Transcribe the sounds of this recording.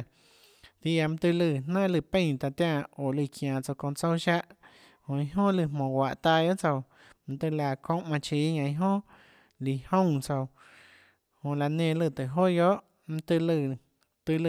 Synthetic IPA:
t̪i˧a˧m̩̃˦t̪ɨ˧lɨ˧˨nã˦ʔlɨ˧˨pẽ˦˧˨t̪a˧˨t̪jã˧˨o˨lɨ˧˨kj̃ãː˨t͡so˧kõ˧t͡so˦wʃa˦ʔ | hõ˧˨i˧ɦõ˦lɨ˧˨mõː˨wʷa˨ʔt̪a˧jo˦ʔt͡so˧w | m̩̃˧t̪ɨ˧la˧˨kʰõ˦ʔmã˧t͡ʃiː˨˧˦ɲã˧˨ĩ˧ɦõ˦ | li˨hõ˦˨t͡so˧w | hõ˧˨la˧nẽ˧˨lɨ˧˨t̪ɨ˨ʔɦo˦jo˦ʔ | m̩̃˧t̪ɨ˧lɨ˧˨ | t̪ɨ˧lɨ˧

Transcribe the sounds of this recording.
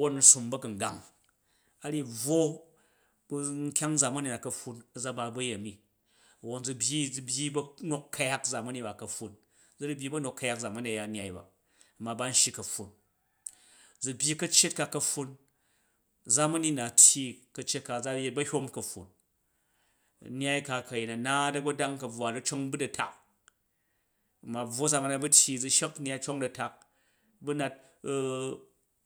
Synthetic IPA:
ɐ˨wo˦nn̩˨su˨mbɐ˦kɐ˨ŋ˨ɡa̰˨ŋ | a˦ɾi˦b͡vwo˦ | bŋ̩˦kʲa˦ŋ˦d͡za˨mɐ˦ni˨na˨kɐ˨ɸu˧nɐ˨d͡za˦ba˧bɐ˦je˨mi˨ | ɐ˨wo˦nd͡zu˧bʲji˦d͡zu˧bʲji˦bɐ˦no˦kːʰɐ˦ja˦kd͡za˨mɐ˦ni˦ba˨kɐ˨ɸːu˦n | d͡zu˦ɾɨ˦bʲji˦bɐ˦no˨kʰːɐ˦ja˦k̚d͡za˨mɐ˦ni˨ja˨˦nʲ˦a˨i˦˨ba̰˨ | ɐ˨mːa˨ba˦n̩˦ʃi˦kɐ˨ɸːu˨n | d͡zu˨bʲji˦kɐ˦t͡ʃːe˦t̚ka˨kɐ˧ɸːu˧n | d͡za˦mɐ˦ni˦na˨tʲji˦kɐ˧t͡ʃːe˦t̚ka˨d͡za˦je˦t̚bɐ˦hʲo˦mkɐ˨ɸṵ˨n | n˦a˦jka˧kɐ˨je˨nɐ˨na˦dɐ˦ɡɐ˦da˦ŋkɐ˨b͡vwa˨dɐ˦t͡ʃo˦ŋbu˦dɐ˨tʰa˨k | mːa˨b͡vwo˦d͡za˨mɐ˨˦na˨bɐ˦tʰʲji˧d͡zu˧ʃe˦kn˦a˧jt͡ʃo˦ŋdɐ˨ta˨k̚ | bu˦na˧t̚

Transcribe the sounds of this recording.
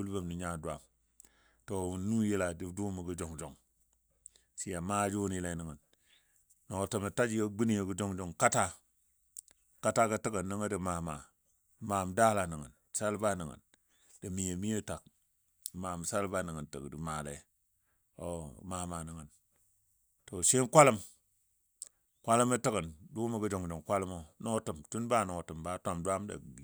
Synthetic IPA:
u˦lbə˦mni˨ɲa˦du˨a̰˨m | to˨wu˨n˦nu˦ji˦la˨di˦du˦mə˨ɡə˦d͡ʒo˨ŋd͡ʒo˨ŋ | si˨ja˨ma˦d͡ʒu˦n˨ji˦la˨ni˨ŋə˨n | no˨o˨tə˨mə˨ta˦d͡ʒjə˦ɡ͡bi˦ni˦je˨ɡə˦d͡ʒo˦ŋd͡ʒo˨ŋka˦ta˦ | ka˦ta˦ɡə˦tə˦ɡə˨nə˦ŋə˦də˨ma˨ma˨ | ma˨m˨da˦la˨ni˨ŋə̰˨n˨sa˦lba˦ni˨ŋə̰˨n | d̥ə˨mi˨e˨mi˦je˦ta˨k̚ | ma˨m˨sa˦lba˦nə˨ŋə˨ntə̰˨kdi˨ma˨lḛ˨ | o˨ma˨ma˨nə˨ŋə˨n | to˨ʃe˦nkʷa˦lə˦m | kʷa˦lə˦mə˦tə˦kə˨ndu˦mə˨ɡə˦d͡ʒo˨ŋd͡ʒo˨ŋkʷa˦lə˦mo˦no˦tə˨mtu˦nba˦˨no˨tɨ˨mba˦tʷa˦˨mdʷa˦m˦da̰˨

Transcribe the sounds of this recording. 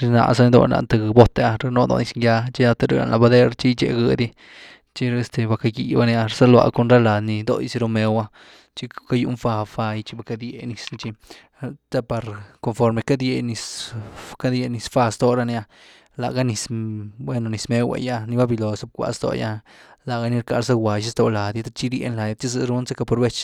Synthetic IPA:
ɾi˧na̰˧sa˦ni˧d̪o̰˧na̰˧ʔnt̪a˧ɡbo˦t̪a˧ɾa˧no˧d̪o̰˧ni˧sŋɡja˧t͡ʃi˦ja˧t̪a˧ɾe˧˦ɾa̰˨nla˨ba˧d̪e˦ɾt͡ʃi˦t͡ʃḛ˧˨ɡɨ˧d̪i˦ | t͡ʃi˦ɾe˧st̪e˧ba˧ka˧ɡi˨ba˧ni˧a˧ɾsa˦lwa̰˧ko˧nɾa˦la˨ni˧d̪o̰˧˦jsi˧ɾo˧me˧wa˧ | t͡ʃi˦ka˦jṵ˧ʔnfa˧fa˧i˧t͡ʃi˦ba˧ka˧d̪je˧ni˧sn˧t͡ʃi˧ | t̪a˦pa˨ɾko˧nfo˧ɾme˨˧ka˦d̪je˧ni˧s | ka˦d̪je˧ni˧sfa˧st̪o˨ɾa˧n˧a˧ | la̰˨ɡa˦ni˧sbwe˦no˧˨ni˨˧sme˦wḛ˧ja˦ni˧ba˦bi˧lo˨so˦b̚kʷa̰˧st̪o̰˧˨ja̰˦la˨ɡa˧ni˦ɾka˧ɾs̬a˦ɡwa˨ʃi˦st̪o˧˨la˨d̪i˦t̪a˦t͡ʃi˦ɾjḛ˧˦nla˨ja˧t̪i˦zɨ˧ɾu˦nse˦ka˧po˧ɾbe˦t͡ʃ

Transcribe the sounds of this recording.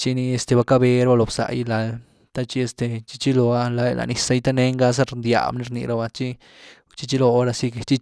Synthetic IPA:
t͡ʃi˦ni˧e˧st̪e˧ba˧ka˦be˧ɾa˦ba˧lo˨bsa̰˨jla˨l | t̪a˦t͡ʃi˦e˧st̪e˨t͡ʃi̥˦t͡ʃi˦lo˧a˦la˧jla̰˨ni˧sa˧˦jt̪a˦ne˦ŋɡa˦s̬a˦ɾnd̪ja̰˨mni˦ɾnḭ˧ɾa˧ba˧t͡ʃi˦ | t͡ʃi˦t͡ʃi˦lo˧˦ɾa˧si˦kt͡ʃi˦

